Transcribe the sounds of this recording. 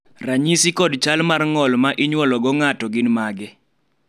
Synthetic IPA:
raɲisikɔdt͡ʃalmarŋɔlmaʔɪɲwɔlɔɡɔŋatɔɡɪnmaɡɛ

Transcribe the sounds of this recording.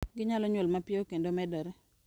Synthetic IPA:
ɡɪɲalɔɲwolmapjeokendomɛdɔɾɛ

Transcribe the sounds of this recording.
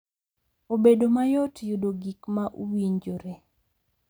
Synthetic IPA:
obedomajɔtjudoɡikmaʔuwiɲd͡ʒoɾe

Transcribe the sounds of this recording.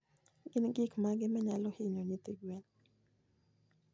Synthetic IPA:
ɡɪnɡɪkmaɡɪmɛɲalɔhɪɲoɲit̪iɡwen

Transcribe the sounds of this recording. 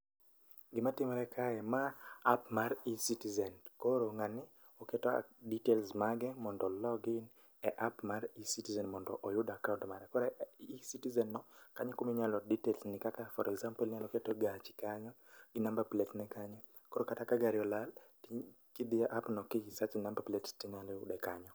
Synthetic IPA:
ɡɪmatɪmaɾɛkʰaɛmaːp̚maɾisitizɛnkoɾoŋanɪ | ɔketɔ̰ditelsmaɡɛmɔndɔlɔɡɪn | ɛʔapmaɾisitizɛnmɔndɔʔɔjʊdakauntmaɾɛkɔɾɛisitizɛnːɔkaɲɛkumiɲalɔditelsnɪkakafɔɾɛkzampɔlɲalɔketɔɡat͡ʃɪ̥kaɲɔ | ɡɪnambaplɛtnɛkaɲɔ | koɾokatakaɡaɾɪɔlal | kidiaʔapnɔkiɡisat͡ʃnambaplɛtstiɲalɪʊ̰dɛkaɲɔ

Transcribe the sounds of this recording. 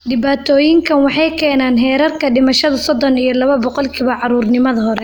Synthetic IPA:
ɖɪβaːt̪ʰɔːjɪŋkʰɐnwɑħɑjkʰɛːnaːnɦɛːɾɐrkʰɐɖɪmɐʃɐðɐsɔd̪ɔnijɞlɐβɐbɔqɔlkʰiːβɐʕɑɾuːrnɪmɐðɐɦɔɾɛ

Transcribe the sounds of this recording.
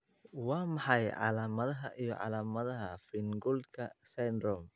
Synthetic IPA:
wɑːmɑħɑjʕɑ̰laːmɐðɐɦɐʔijɞ̰ʕɑ̰laːmɐðɐɦɐfɪnɡʊld̪kʰɐsɛnrɔm

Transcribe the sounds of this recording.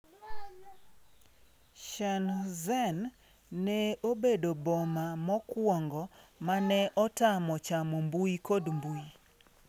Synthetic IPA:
ʃanzɛnː | ɛobedobɔmamɔkwɔŋɡɔmanɛʔɔtamɔt͡ʃamɔmbuikodmbui

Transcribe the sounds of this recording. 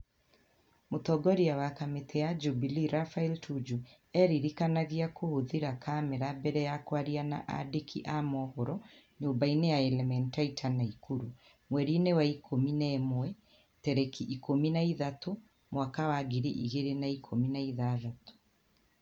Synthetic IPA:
motɔɡɔɾiawakametʰɛjad͡ʒubiliɾafailtʰud͡ʒu | ɛɾiɾikanaɣiakohoðiɾakʰamɛɾabɛɾɛjakwaɾiana̰ʔa̰dekʰḭʔamɔhɔɾɔ | ɲoːmbainejaɛlɛmɛntaitʰanaikʰuɾu | mwɛɾinewaikʰominɛmwɛ | tɛɾɛkiʔːkominaiðato | mwakawaɡiɾiʔiɣeɾenaikʰominaiðaːðato̥

